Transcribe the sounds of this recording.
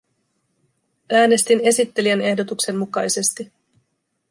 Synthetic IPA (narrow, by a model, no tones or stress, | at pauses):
æːne̞st̪ine̞sit̪ːe̞liæne̞hdo̞t̪ukse̞mːukɑjse̞st̪i